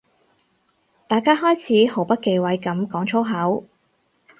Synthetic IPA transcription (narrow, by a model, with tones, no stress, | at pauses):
t̪aː˨˩jkaː˥ɦɔː˥jt͡sʰiː˨˥ho˨˥wpɐ˥t̚ke˧jwɐ˨˥jkɐ˨˥mkɔː˨˥ŋt͡ʃʰo˥wɦɐ˨˥w